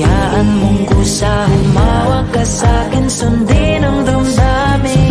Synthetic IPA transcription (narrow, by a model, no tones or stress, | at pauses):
jaːʔanmʊŋkʊsahʊmaːwakasaːkɪnsʊnd̪ɪnʊŋd̪ʊmd̪amɪ